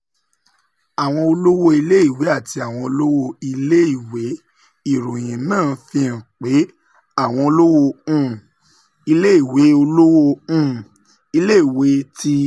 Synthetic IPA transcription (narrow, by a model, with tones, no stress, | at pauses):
a˨w̃ɔ̃˧o˧lo˦wo˦i˧le˦i˦˨we˨˦a˦˨ti˧a˨w̃ɔ̃˧o˧lo˦wo˧i˧le˦i˦˨we˨˦ | i˦˨ɾo˨j̃ĩ˨nãː˦˨fĩ˧ã˨k͡pe˨˦ | a˦˨w̃ɔ̃˧o˧lo˦wo˧ũ˦˨ | i˧le˦i˦˨we˨˦o˧lo˦wo˧ũ˦˨ | i˧le˦i˦˨we˨˦ti˦